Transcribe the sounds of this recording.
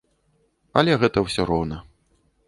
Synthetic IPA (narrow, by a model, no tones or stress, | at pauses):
ɐlʲɛɣɛt̪ɐwsʲɔɾɔwnɐ